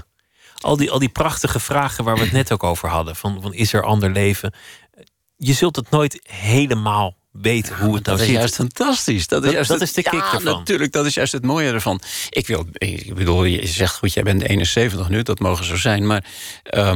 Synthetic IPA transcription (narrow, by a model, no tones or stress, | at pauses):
ʔɑ̰lˠdiʔɑlˠdiprɑχtəχəv̥raːχəʋaːɹʋəətnɛtowkowvəɹɦɑdəvɑnfɑnɪsɛɹʔɑ̰ndəɹlejvə | jəzɵlˠtɑtnojtɦejləmaːlˠ | ʋejtənɦuətnawɪjœɥstfantɑstisdɔtɪjœsdtɪsdəɪkkdəntyːɹlək̚dɔtɪsjœɥstətmoːjədəɹvɑnʔɪkʋɪlˠɪ̰bəduːlˠjə̰zɛxtχutjɛjbɛntḛjnənseːvəntəxnydɔtmoːɣəzozɛjnmaːɹ | ʔə